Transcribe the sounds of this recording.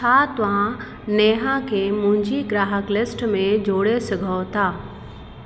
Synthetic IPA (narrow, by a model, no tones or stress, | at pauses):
t͡ʃʰaːt̪ʊʋ̤ã | neːɦãkʰemʊ̃ɦɪ̃ɲd͡ʑiɡɾaːɦəklɪsʈmẽd͡ʑʱoːɽesɐɡʱɔːt̪ʰaː